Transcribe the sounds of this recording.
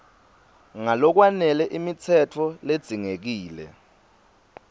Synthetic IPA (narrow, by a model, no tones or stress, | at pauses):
ŋalɔk̬wanɛlɛʔimit͡sʰɛtʰɔled̥z̥ʱiŋek̬iːlɛ̰